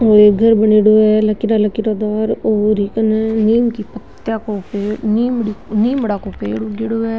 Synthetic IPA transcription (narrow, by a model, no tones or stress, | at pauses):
oːeːɡʱəɾbəɳeːɽoːɛːləkiɾaːləkiɾaːd̪aːɾoːɾiːkənɛːniːmkiːpət̪ːjaːkoːpeːniːmɽiːniːmɽaːkoːpeːɽoɡeɽoːɛː